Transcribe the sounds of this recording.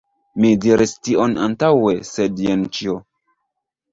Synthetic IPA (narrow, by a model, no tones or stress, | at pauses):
midiɾistiʔona̰ntawe̞sedjent͡ʃio